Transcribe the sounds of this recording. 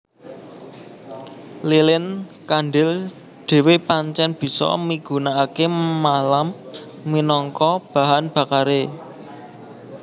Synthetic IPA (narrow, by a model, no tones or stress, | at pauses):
lilɪnkanɖɪl | ɖ̪̥e̤wepaɲt͡ʃɛnb̥i̤sɔ̰miɡ̥ṳnaːkemalamː | inɔŋkɔb̥a̤ɦanb̥ä̤kaɾe